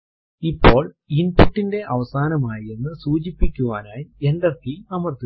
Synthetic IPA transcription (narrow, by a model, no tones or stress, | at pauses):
ipːo̞ːɭ | inpːuʈːinde̞ʔɐʋɐsaːnɐmaːjienːɨsuːt͡ɕipːikʲːuʋaːnaːjie̞ndɐrt̪iɐmɐrt̪ːi